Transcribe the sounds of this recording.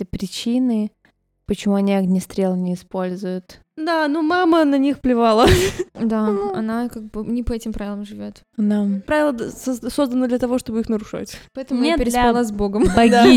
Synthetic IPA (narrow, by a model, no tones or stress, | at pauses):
epɾʲɪt͡ɕinɨ | pət͡ɕɪmuɐnʲiɐɡnʲɪst̪ɾʲelˠnʲɪɪspo̞lʲzʊjʊt̪ | d̪anomamənɐnʲixplʲɪvalˠəd̪aɐnakaɡ̚bɨnʲɪpəɛtʲɪmpɾavɪlˠəmʐɨvʲot̪ | nampɾavɪlˠəd̪szso̞zd̪ənəd̪lʲət̪ɐvo̞ʂt̪o̞bɨixnəɾʊʂa̰tʲpɐɛt̪əmʊjʲet̪pɪɾɪlˠazboɡəmbɐɡd̪ʲai